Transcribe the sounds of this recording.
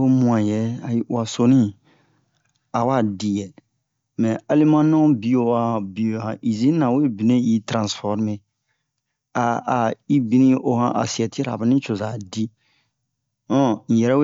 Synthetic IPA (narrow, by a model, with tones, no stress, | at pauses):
o˦mũ˦ã˨jɛ˨˦a˨wa˨so˦nĩ˦˨ | a˨wa˦˨di˨jɛ˨ | mɛ̃˨a˦li˦mã˦nɔ̃˦bi˨o˨wa˨bi˨o˨o˨hã˨ʔi˨zĩ˦nã˨we˦bi˨nẽ˦ji˦tɾã˨sfɔ˦ɾme˦ | a˨a˨i˦bi˦nĩ˦ʔo˨hã̰˦ʔa̰˨si˨ɛ˨ti˦ɾa̰˨bɛ˨nĩ˦t͡ʃo˨za˨di˦ | ɔ̃˦ñ̩˨jɛ˨ɾɛ˦we˦